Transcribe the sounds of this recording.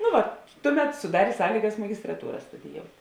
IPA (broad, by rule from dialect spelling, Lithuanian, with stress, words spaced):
nʊ ˈʋɐ ˈtʊˌmʲɛt sʊˈdɑːrʲeː ˈsɑːlʲiːɡɐs mɐɡʲɪstrɐˈtuːrɐ stʊdʲɪˈjoːʊtʲ